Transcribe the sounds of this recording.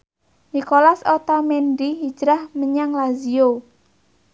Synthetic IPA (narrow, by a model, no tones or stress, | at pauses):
nikolasot̪amendiɦi̥d͡ʒɾahməɲaŋlazio